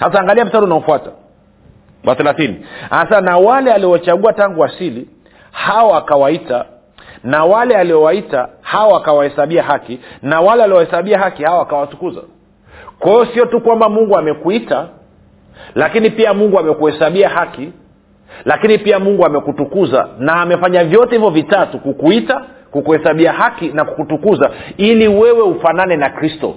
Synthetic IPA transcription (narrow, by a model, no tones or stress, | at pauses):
has̬aːŋɡaliam̩tatunaufuata̰ | wa̰θɛlaθinḭasanawalɛaliɔt͡ʃaɠuataŋɡuasili | haɔakawaita | nawalɛaliɔwaitahaɔakawahɛsaɓiaɦakinawalɛaliɔhɛsaɓiaɦakihaɔakawasukuza̰ | kwajɔsiɔtukwambamuŋɡuamɛkuita | lakinipiamuŋɡuamɛkuhɛsaɓiahaki | lakinipiamuŋɡuamɛkutukuza̰naːmɛfaɲavjɔtɛhivjɔvitatukukuitakukuhɛsaɓiahakinakukutukuzailiwɛwɛufananɛnakɾistɔ̰